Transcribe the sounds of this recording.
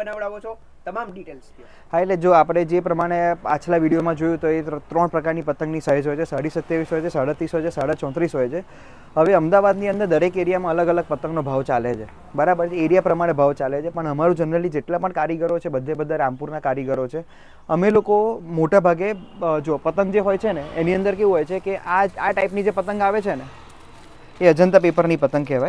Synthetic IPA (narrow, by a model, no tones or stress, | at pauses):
ənaʋɭaʋot͡ʃʰo | t̪əmamɖiʈels | ɦaet̪led͡ʒoapɽ̃ed͡ʒepɾəmaɽ̃ea̰t͡ʃʰlaʋiɽijomãd͡ʒojũt̪oet̪ɾəɳpɾəkaɾnipət̪ə̃ŋɡnisaɦed͡ʒɦojt͡ʃʰesaɽisət̪jaʋisɦojt͡ʃʰesaɽat̪ɾisɦojt͡ʃʰesaɽat͡ʃɔ̃t̪ɾisɦojt͡ʃʰe | ɦəʋeəmd̪aʋad̪niənd̪əɾd̪əɾekeɾijamãələɡələɡ̚pət̪ə̃ŋɡnobʱaʋt͡ʃalet͡ʃʰe | bəɾabəɾt͡ʃeeɾijapɾəmaɽ̃ebʱaʋt͡ʃalet͡ʃʰepəɳəmaɾũd͡ʒənɾəlid͡ʒeʈlapəɳkaɾiɡəɾot͡ʃʰebəd̪ʱːebəd̪ʱːaɾampuɾnakaɾjəɡəɾot͡ʃʰe | əmelokomoʈabʱaɡed͡ʒopət̪əŋɡd͡ʒeɦojt͡ʃʰeneeniənd̪əɾkeʋũɦojt͡ʃʰekeʔaaʈaipnid͡ʒepət̪əŋɡaʋet͡ʃʰene | eəd͡ʒənt̪apepəɾnipət̪əŋɡ̚keʋaj